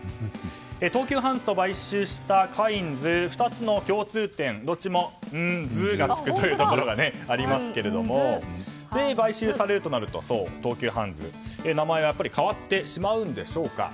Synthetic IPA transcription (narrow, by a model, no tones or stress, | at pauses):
et̪o̞ːkʲɨːɦãñd͡zɨ̥t̪o̞baiɕɨːɕi̥t̪akʰaĩnd͡zɨɸɯ̟̥t̪at͡sɨno̞kʲo̞ːt͡sɨːt̪ẽ̞nd̪o̞t͡ɕimo̞ɯ̟̃ɴd͡zɨtɡat͡sɨ̥kɯ̟t̪o̞jɯːt̪o̞ko̞ɾo̞ɡane̞aɾʲimasɨ̥ke̞ɾe̞d̪o̞mo̞ | d̪ebaiɕɨːsaɾe̞ɾɯt̪o̞naɾɯ̟t̪o̞̰so̞̰ːt̪o̞ːkʲɨːɦã̰nd͡zɨ̰enamae̞βajapːaɾʲikʰaβ̞at̪ːe̞ɕimaɯ̟̃nd̪e̞ɕo̞ːka̰